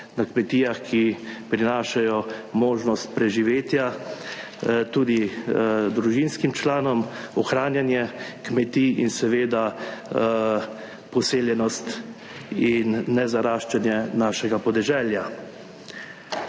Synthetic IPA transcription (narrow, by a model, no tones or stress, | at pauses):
nakmɛt̪iːaxkʰipɾinaːʃajɔmoːʒnɔst̪̚pɾɛʒiʋeːt̪ja | t̪uːd̪i | d̪ɾuʒinskimt͡ʃlaːnɔmɔxɾaːnjanjɛkmɛt̪iinsɛʋeːd̪a | pɔseːljɛnɔst̪ | inːɛzaɾaːʃt͡ʃɛnjɛnaːʃɛɡapɔd̪ɛʒɛːlja